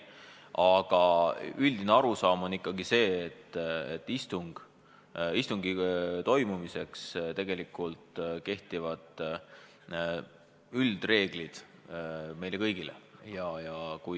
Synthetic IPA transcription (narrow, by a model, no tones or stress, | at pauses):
ʔɑɡ̥ɑylʲd̪̥ineɑɾusɑːmo̞nikːɑɡ̥ise̞ːt̪ːḛt̪ːˑist̪uŋɡ̥ | ist̪uŋɡit̪o̞jmumise̞kst̪e̞ɡ̥e̞likːˑult̪ke̞ht̪ivɑd̪ˑ | yld̪̥re̞ːɡ̥lid̪̥ | me̞jlekɤjɡ̥ilḛjɑjɑkuj